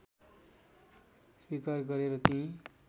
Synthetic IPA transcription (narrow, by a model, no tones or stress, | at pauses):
swikarɡʌɾeɾʌt̪ĩ